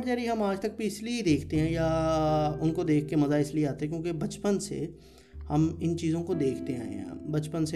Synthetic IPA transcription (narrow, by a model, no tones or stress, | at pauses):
ʈd͡ʒaːɾiɦɐmaːd͡ʒt̪ɐk̚bʱiɪslied̪eːkʰt̪eɦɛ̃ja | ʊnkod̪eːkʰːemɐzaɪslieaːt̪eɦɛ̃kjõːkebɐt͡ʃpənsḛ | hɐmɪnt͡ʃiːzõkod̪eːkʰt̪eɦɛ̰̃ja̰ːbɐt͡ʃpənse